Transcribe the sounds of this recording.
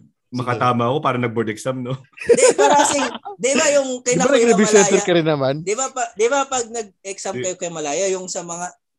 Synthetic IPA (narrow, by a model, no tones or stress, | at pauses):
mɐkɐt̪aːmɐʔɐko̞paːɾɐnɐɡ̚bod̪ɛksamnod̪ɛpaɾɐkɐsɪd̪ɪbajʊŋkɐjnbanɐnɐbisɛnɛɾkɐɾɪnːɐmand̪ɪbapɐd̪ɪbapɐɡ̚nɐɡ̚ɛksɐmkɐjokɐjomɐlaːjɐjʊŋsɐmɐŋa